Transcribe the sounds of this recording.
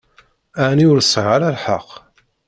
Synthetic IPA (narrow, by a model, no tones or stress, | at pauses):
aʕniʊɾsˤʁaɾælħɑqː